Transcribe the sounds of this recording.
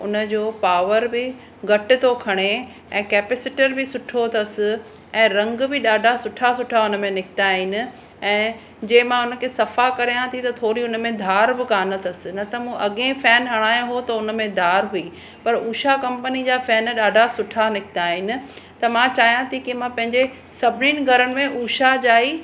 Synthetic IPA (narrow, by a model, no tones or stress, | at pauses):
ʊnə̆d͡ʑoːpaːʋəɾbɪ | ɡɐʈɪ̆t̪okʰɐɽ̃e | ɛ̃ːkɛːpɛsɪʈəɾbɪsʊʈʰot̪ʰɐsɪ̆ | ɛ̃ːɾɐ̃ŋɡbɪɗaːɖʱasʊʈʰasʊʈʰaʊnəmẽnɪkʰɪt̪aːɦɪnɪ̆ | ɛ̃ː | d͡ʑɐ̃ːɦɪ̃mãʊnə̆kʰeːsɐfakɐɾijãt̪ʰit̪ɐt̪ʰoːɾiʊnəmẽd̪ʱaːɾbɪkaːnət̪ʰɐsɪ̆nɐt̪ɐmũʔɐɠẽfɛːnɦɐɽ̃aːjãɦot̪ɐʊnə̆mẽd̪ʱaːɾɦuiː | pɐɾuːʃakɐ̃mpənid͡ʑaːfɛːnɗaːɖʱasʊʈʰanɪkʰɪt̪aːɦɪnɪ̆t̪ɐmãt͡ɕaːɦijãt̪ʰikimãpɐ̃ɦɪ̃ɲd͡ʑe | sɐbʱɪniːnɪ̆ɡʱɐɾəɽɪ̆mẽʔuːʃad͡ʑaːi